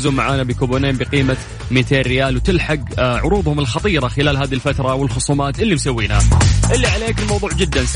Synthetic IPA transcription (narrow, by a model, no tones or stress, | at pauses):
zumːaʕaːnabikuːboːneːmbiqiːma | miːt̪ʰeːrːɪjaːlwt̪ɪlħaɡʕʊɾuːðˤhʊmɪlxɑt̪ˤiːɾˤɑxɪlaːlɦaːðilfat̪ɾˤɑwɪlxʊsˤuːmaːt̪ʔɪlːimsawːiːnaʔɪlːiʕaleːkɪlmɑwðˤuːʕd͡ʒɪd̪ːans